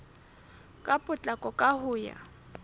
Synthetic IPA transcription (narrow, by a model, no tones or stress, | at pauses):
kʼapʼʊt͡ɬʼakʼɔkʼahʊːja̰